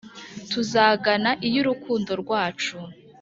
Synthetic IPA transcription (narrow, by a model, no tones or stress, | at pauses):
tuzaːɡanaʔijuɾukuːndo̞ɾɡwaːt͡ʃu